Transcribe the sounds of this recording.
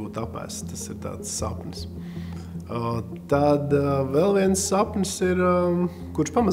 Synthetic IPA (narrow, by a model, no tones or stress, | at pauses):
uːt̪apæ̰ːst̪asiɾt̪a̰ːt̪sːa̰pns | t̪ad̪vɛlˠʋiɛnsːapnsiɾ | kuɾʃpama